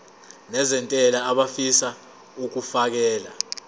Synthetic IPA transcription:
nɛzɛntʼɛlaːɓafisa | uk̬ufak̬ɛːla

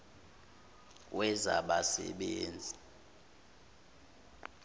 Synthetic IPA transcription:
wʔɛzaɓasɛ̰ɓeːnd͡zʱi

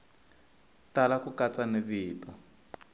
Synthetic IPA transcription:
talakukat͡saneβiːtɔ

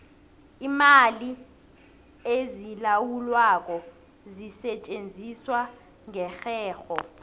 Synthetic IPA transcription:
imali | ezilawulwak̬ɔ | zisɛt͡ʃʼend͡zʱiswa | ŋɛxɛːxɔ

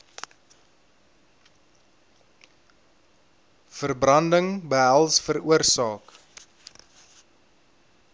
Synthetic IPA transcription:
fərbrɐndəŋbəɦælˠsfəruərsɑːk

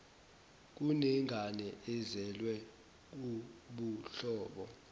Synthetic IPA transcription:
k̬unɛŋʱanɛɛzɛlwɛ | k̬uɓuɬɔːɓɔ̰

